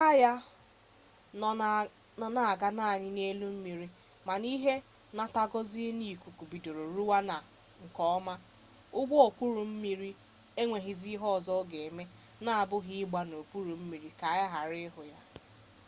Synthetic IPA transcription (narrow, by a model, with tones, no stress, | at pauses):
a˦ja˦˨ | nɔ˨na˨a˨ɡa˦na˦a˨ɲɪ˦ne˦lu˦m̩˦mi˨ɾi˦ | ma˨ni˦ɦe˦ | na˦ta˦ɡɔ˦zi˦ni˦˨ku˨ku˨bi˨do˨ɾo˨ɾu˦wa˦na˨ | ŋ̩˨kɔ˨ɔ˦ma˦ʊ˦ɡ͡bʷɔ˦o˨kʷu˦ɾu˨m̩˦mi˦ɾi˦ | e˦ŋʷe˨ɦi˨zi˦ɦɔ˦˨zɔ˦ɡe˨me˦ | na˦a˨bʊ˦ɦɪ˦ɪ˦ɡ͡ba˦no˨ku˦ɾu˨m̩˦mi˨ɾi˨ka˨˦˨ja˦ɦa˨ɾɪ˦ɦʊ˨ja˦